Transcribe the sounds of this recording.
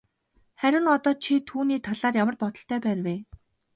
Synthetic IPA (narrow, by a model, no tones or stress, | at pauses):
χæɾʲɪ̆ŋɔt̪ɔːt͡ɕʰit̪ʰuːniːt̪ʰaɮaːrjamə̆rpɔt̪ɞ̆ɬt̪ʰœːpæːrweː